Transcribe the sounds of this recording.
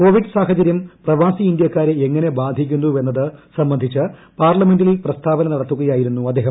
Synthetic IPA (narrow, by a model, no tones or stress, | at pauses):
ko̞ːʋiɖɨsaːɦɐd͡ʑɐɾjɐmprɐʋaːsiind̪jɐkːaːɾeeŋːɐne̞baːd̪ʱikʲːunːue̞nːɐðɨsɐmbɐnd̪ʱit͡ɕːɨ | paːrlɐme̞nɖililprɐst̪ʰaːʋɐnɐnɐɽɐt̪ːuɣɐjaːjiɾunːuɐd̪ːeːɦɐm